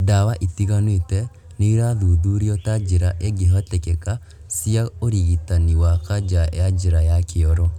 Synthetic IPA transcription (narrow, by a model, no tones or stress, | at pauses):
dawaʔit̪iɣanwetɛ | niiɾaðuðuɾiɔtad͡ʒiɾaʔeɡeɦɔtekeka | siaoɾiɣitaniwakad͡ʒa̰ad͡ʒiɾajakʰɪɔɾɔ